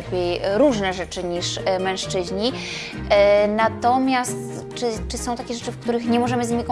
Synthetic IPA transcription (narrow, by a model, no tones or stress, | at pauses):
d̪vʲjejɾuʐnɛʐɛt͡ʂɘɲiʂmɛ̃w̃ʂt͡ʂɘʑɲi | nat̪ɔmʲjast̪ | t͡ʂɘt͡ʂɘsɔ̃w̃t̪akʲeʐɛt͡ʂɘfkt̪uɾɘxɲɛmɔʐɛmɘzɲimʲik